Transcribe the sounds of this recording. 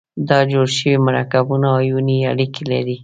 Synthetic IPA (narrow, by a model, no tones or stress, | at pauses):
d̪ɑd͡ʒoɽʃəwimaɾɑkabunaːjuniaɽikelaɾi